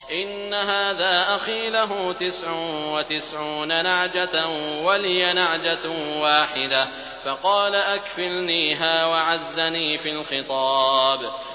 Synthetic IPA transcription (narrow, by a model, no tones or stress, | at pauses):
ʔɪnːaɦaːðaːʔaxiːlaɦʊt̪ɪsʕʊnwat̪ɪsʕuːnanaʕd͡ʒawalɪjanaʕd͡ʒawaːħɪd̪a | fɑqɑːlaʔakfɪlniːɦaːwaʕazːaniːfilxɪt̪ˤɑːb